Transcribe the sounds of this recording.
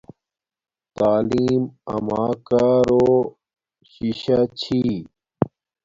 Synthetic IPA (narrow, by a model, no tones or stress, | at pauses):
t̪aːliːmɐ̰maːkaːɾoː | ɕiɕat͡ɕʰi